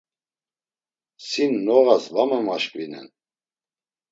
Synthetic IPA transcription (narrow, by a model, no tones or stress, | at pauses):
sinːɔʁasvamɛmaʃkʼvinɛ̰n